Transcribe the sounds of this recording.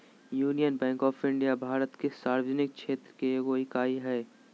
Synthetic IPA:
juːnijənbɛ̃ːŋkɔːfʰɪ̃ɳɖijabʱaːɾət̪kesaːɾwd͡ʒnɪk̚ʃʰeːt̪ɾəkeɡoːɪkaːiɦɛː

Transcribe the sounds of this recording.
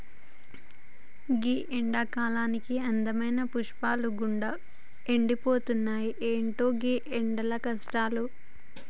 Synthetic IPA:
ɡiːʔeɳɖaːkaːlaːnikiɐnd̪ɐmɐjnɐpuʂpaːluɡuɳɖɐ | eɳɖipoːt̪unːaːjiʔeːɳʈoːɡiːʔeɳɖɐlɐkɐsʈaːlu

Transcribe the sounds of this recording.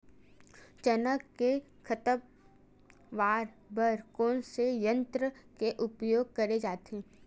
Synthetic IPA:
t͡ʃənəkːe | kʰət̪ə | ʋaːɾ | bəɾkɔːnsejə̃nt̪ɾəkeʔʊpjoːɡ̚kɐɾed͡ʒaːt̪ẽː

